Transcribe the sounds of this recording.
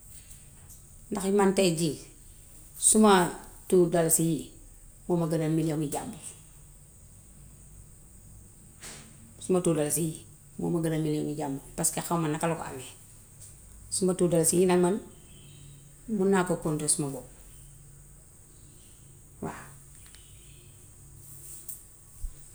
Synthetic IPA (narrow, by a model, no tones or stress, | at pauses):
ndaximantɛɟi | sumatudalsiji | mɔːmɐɡənamiloŋiɟambu | sumatuːdalasiji | mo̰ːmaɡədamiljoŋiɟambupaskaxawmanːakalokɔ̰a̰me | sumatuːdalasijinaŋman | munakokɔntosumabɔ | wa̰